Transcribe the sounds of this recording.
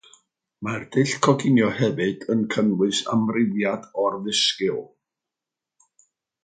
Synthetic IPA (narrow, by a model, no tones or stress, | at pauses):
mard̥ɨɬkʰɔɡɪnjɔhɛvɨd̥ənkʰənwɨsa̰mrɪðjadɔrðɪskɪlˠ